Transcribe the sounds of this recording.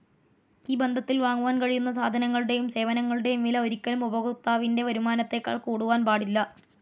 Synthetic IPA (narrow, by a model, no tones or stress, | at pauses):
iːbe̞nd̪ʱɐt̪ːilʋaːŋːuʋaːnkɐɻijunːɐs̬aːd̪ʱɐnɐŋːɐɭuɽe̞jumse̞ːʋɐnɐŋːɐɭuɽe̞mːilɐo̞ɾikʲːɐlumubɐɣut̪ːaːʋinde̞ʋɐɾumaːnɐt̪ːe̞kːa̰ːɭkuːɽuʋaːnpaːɽilːɐ